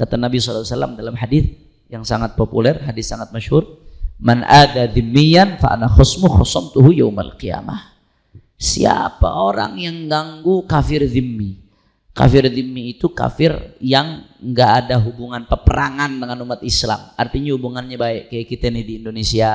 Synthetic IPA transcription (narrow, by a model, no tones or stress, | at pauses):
kat̪anabisɔlt̪wsalːa̰mdalamɦadiθ | jaŋsaŋat̪̚populɛrɦadɪssaŋat̪̚maʃhurmanʔad̪aðɪmːijːanfa̰ʔa̰naxɔsmʊxɔsɔmt̪uɦujawma̰lqija̰ma̰h | sḭa̰pa̰ʔoɾa̰ŋjaŋɡaŋɡukafɪrðɪmːi | ka̰fɪrðɪmːiːt̪uka̰fɪrjaŋŋɡaːdaɦubuŋanpərpəɾaŋandəŋanumat̪isla̰mart̪iɲahubuŋanɲabaɛʔkajakit̪anidiːndonesia